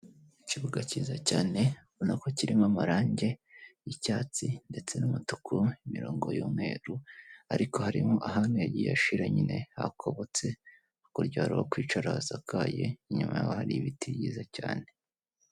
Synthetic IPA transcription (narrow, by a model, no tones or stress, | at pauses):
iciβuɡaciːzacaːne̞βonako̞ciɾimamaɾaːɲɟe̞jicaːt͡sinde̞t͡se̞numutu̥kʰuimiɾoːŋɡo̞̰juːmŋwe̞̰ːɾuaɾiko̞haɾimoʔaɦanujaɟija̰ʃiɾaɲine̞ha̰kʰo̞βo̞t͡se̞ | ukuɾɟaːɾuokwiːt͡ʃaɾaazakʰaːje̞̰iɲumaja̰ohaɾiβitiβjiːzacaːne̞